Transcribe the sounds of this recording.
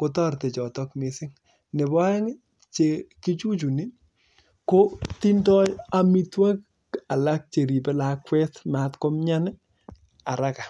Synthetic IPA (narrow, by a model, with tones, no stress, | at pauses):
ko˨tɔ˦rte˨t͡ʃɔ˨tɔ˦kne˨sɪ˦ŋ | ne˨bɔ˦ɛ˦ŋ˦ | t͡ʃe˨ki˦t͡ʃu˦t͡ʃu˨ni˦ | ko˦ti˦ndɔ˦ja˨mi˦twa˦k̚ | a˨la˦k̚t͡ʃe˨ɾi˨pe˦la˨kwɛ˦tma˨tko˦mɲa˦nɪ˦ | a˨ɾa˦ka˨